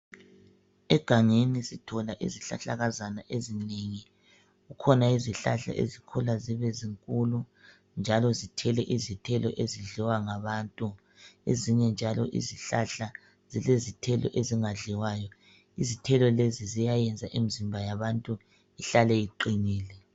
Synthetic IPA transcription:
ɛɡ̥ʱaŋenisitʰɔlaʔḭziɬa̰ɬaɣazanaʔezineŋi | ɣukʰɔnaiziɬa̰ɬa̰ʔḛzikʰɔlaziβeziŋkʼulu | nd͡ʒʱalɔzitʰɛlɛʔizitʰɛlɔ̰ʔeziɮiwaŋaβaːntʼu | ḛziɲɛnd͡ʒʱalɔ̰ʔḭziɬaɬa | zilezitʰɛlɔ̰ʔeziŋaɮiwaːjɔ | izitʰɛlɔlezizijajɛnd͡zʱaʔimizimbʱajaβantʼu | iɬalɛiǃiniːlɛ

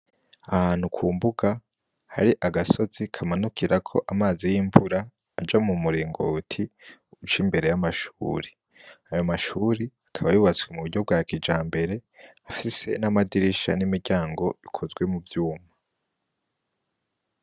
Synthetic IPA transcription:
ahaːn̥hukʰuːmbuɡa | ha̰ɾiʔaɡaso̞zikʰamanukiɾakʰo̞ʔamaːzijiːɱvuɾaː | d͡ʒamumuɾiːŋɡo̰tʰiut͡ʃimbe̞ɾe̞jamaʃuːɾi̥ | ajo̞maʃuːɾiakʰaβajuβat͡swemuuɾɟo̞b̚ɡaːkid͡ʒaːmbe̞ɾe̞afise̞̰namadiɾiʃa̰nimiɾɟaːŋɡo̞ikʰo̞zɡwe̞mubjuːma

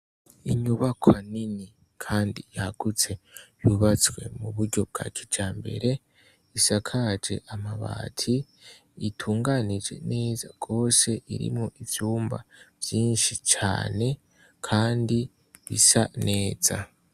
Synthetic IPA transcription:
iɲuβakʰoanini | kʰaːndijaɡ̥ut͡se̞juβat͡sɡwe̞̰muβuɾɟo̞b̚ɡa̰ːt͡ʃi̥d͡ʒaːmbe̞̰ɾe̞ | isakʰad͡ʒe̞̰ʔamaβa̰ːtʰiː | tʰuːŋɡanid͡ʒe̞̰ne̞ːzaɡ̥o̞ːse̞ʔiɾḭmŋoʔivjuːmba̰v̥jiːnʃit͡ʃa̰ːne̞ | kʰaːndi | βḭsa̰ne̞ːz̥a̰

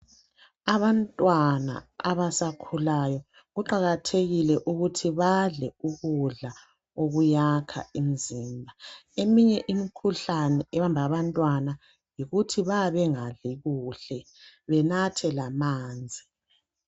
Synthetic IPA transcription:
aβantʼwana̰a̰βasakʰulajɔ | ɣuǃaɣatʰeɣilɛʔuɣutʰiβaɮɛuɣuɮa | oɣujakʰa̰imiziːmbʱaemiɲɛʔimikʰuɬanɛɛβambʱaβantʼwana | jiɣutʰiβaβɛŋaɮiɣuɬɛ | βɛnatʰɛlamaːnd͡zʱi

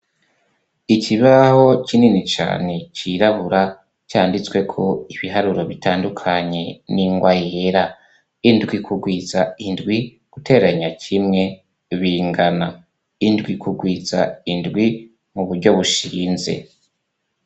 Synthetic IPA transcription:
iciβaho̞cininit͡ʃa̰ːne̞ciɾaβuɾa | caːndit͡swe̞kʰo̞iβiɦaɾuɾo̞βitaːndukʰaɲe̞niŋɡwajeɾa | indɡwikʰuɡwiːzaindɡwi | ɡ̥utʰe̞ːɾaɲacʰimŋe̞ | βiːŋɡana | indɡwikuɡwiːza̰indɡwi | muβuɾɟo̞βuʃiːnze̞̰

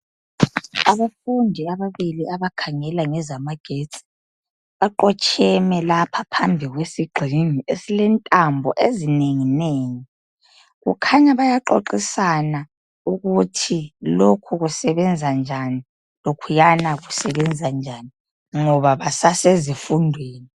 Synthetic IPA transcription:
aβafundʱiaβaβiliaβakʰaŋɛlaŋɛzamaɡ̥ʱet͡sʼi̥ | βaǃɔt͡ʃʰʼɛmɛlapʰapʰambʱiɣwesiɡ͡ǃʱiŋiʔesilɛntʼambʱɔʔezineŋineːŋi | ɣṵkʰaɲaβajaǃoǃisana | uɣutʰilokʰuɣusɛβɛnd͡zʱand͡ʒʱani | lokʰujanaɣusɛβɛnd͡zʱand͡ʒʱani | ŋɔβaβasasezifundʱweːni

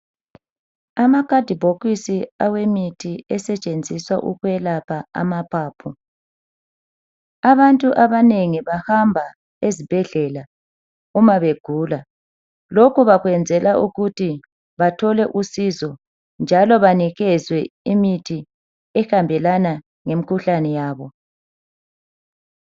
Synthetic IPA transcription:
amakʼad̥ʱibʱoɣwisiawemitʰiɛsɛt͡ʃʼend͡zʱiswaʔṵɣwɛlapʰaa̰mapʰaːpʰu | aβantʼuʔaβaneŋiβahambʱa | ezib̥ʱɛɮɛla | umaβeɡ̥ʱuːla | lokuβaɣwɛnd͡zʱɛlaʔuɣuti | βatʰɔlɛʔusizɔ | nd͡ʒʱalɔβaniɣɛzwɛimitʰi | ɛxambʱɛlana | ŋemikʰuɬanɛjaːβɔ

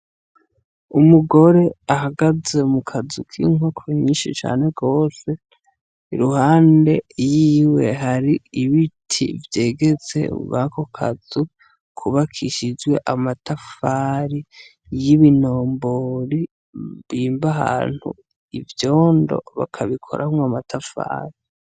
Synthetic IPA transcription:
umuɡo̞ɾe̞aɦaɡaze̞mukʰazukʰḭːŋo̞kʰoɲiːnʃit͡ʃa̰ːne̞ɡo̞ːse̞ | iɾuhaːnde̞jiːwe̞ɦaɾiiβitʰḭvje̞ːɡe̞t͡se̞̰ṵβakʰokʰa̰z̥u | kʰuβakʰiʃid͡ʒɡwe̞ʔamatafaɾi | jiβino̞ːmboɾi | βiːmbaɦa̰ːn̥hṵ | ivjo̞ːndo̞̰βa̰kʰaβikʰo̞̰ɾʔahumwamatʰafa̰ːɾi

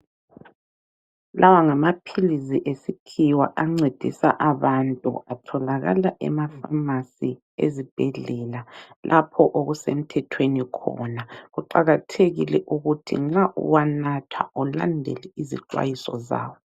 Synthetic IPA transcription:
lʔawaŋamapʰiliziʔesikʰiwa̰ʔaŋ͡ǀed̥ʱḭsaʔaβantʼṵatʰɔlaɣa̰laʔɛ̰mafamasi | ḛzib̥ʱɛɮɛlalʔapʰɔʔoɣusem̩tʰɛtʰwenikʰɔ̰naɣuǃaɣatʰeɣilɛʔuɣutʰḭŋ͡ǁaʔṵwanatʰwa̰ɔla̰ndʱɛ̰lɛizḭǀwa̰jisɔ̰za̰ːwɔ

